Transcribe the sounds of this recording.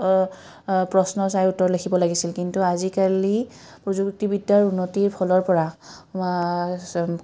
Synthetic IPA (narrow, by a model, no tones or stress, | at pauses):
pɹɔsnɔsajutːɔɹlekʰibɔlaɡisilkintuazikalipɹɔzuktibidːaɹunːotiɹpʰɔlɔɹpɔɹaa